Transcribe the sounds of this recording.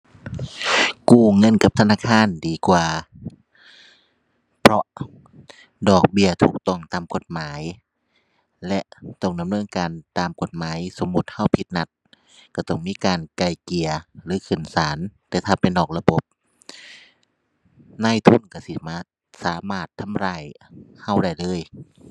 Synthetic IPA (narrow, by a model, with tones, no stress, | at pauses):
kuː˧˩ŋɤ˧˥˨nka˧˦p̚t̪ʰa˧naː˧˨kʰaː˧˥˨ndiː˨˩kwaː˧˩ | pʰɾɔ˧ʔ | dɔː˨˩k̚bi˧˩˨ɐt̪ʰuː˧˩k̚t̪ɔ˧˩ŋt̪aː˨mko˧˦t̪̚maː˨˦j | lɛ˧ʔt̪ɔ˧˩ŋda˨mnɤː˧˥˨nkaː˨nt̪aː˨mko˧˦t̪̚maː˨˦jso˨˧˦mːu˧˦t̪̚ha˧˥˨wpʰi˧t̪̚na˧t̪̚ | ka˧˩t̪ɔ˧˩ŋmiː˧˥˨kaː˨nka˧˩jki˨˩ɐlɯː˨˧˦kʰɯ˨˩nsaː˨˦nt̪ɛː˧˩t̪ʰaː˧˩pe˨nɔː˨˩k̚la˧bo˧˦p̚ | naː˧˥˨jt̪ʰu˧˥˨nka˧˩si˧maː˧ | saː˨˦maː˧˩t̪ʰːa˧˥˨mɾaː˧˩j | ha˧˥˩wda˧˩jlɤː˧˥˨j